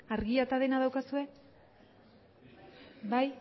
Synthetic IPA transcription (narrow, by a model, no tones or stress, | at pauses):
aɾɣiat̪aðe̞naðawkasue̞ | baj